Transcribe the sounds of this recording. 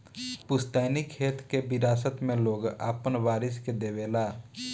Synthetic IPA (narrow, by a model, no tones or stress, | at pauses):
pʊst̪aːnikʰeːt̪kebɪɾaːsət̪mẽloːɡa̰ːpənʋaːɾɪsked̪eːʋeːlaː